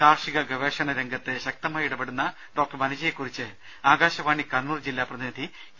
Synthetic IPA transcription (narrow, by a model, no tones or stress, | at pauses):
kaːrʂiɣɐɡɐʋeːʂɐɳɐɾeŋɡɐt̪ːeɕɐk̚t̪ɐmaːjiɽɐbeɽunːɐ | ɖo̞ːk̚ʈːɐrmɐnɐd͡ʑɐjekːurit͡ɕːɨ | aːɡaːɕɐʋaːɳikɐnːuːrd͡ʑilːaːprɐðinɐd̪ʱi